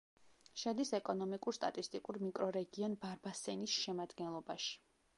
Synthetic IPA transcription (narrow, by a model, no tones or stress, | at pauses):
ʃad̪isɛkʼɔnɔmikʼuɾst̪ʼa̰t̪ʼist̪ʼikʼuɾmikʼɾɔɾɛɡiɔnbaɾbasɛnisʃɛmad̪ɡɛnlˠɔbaʃi̥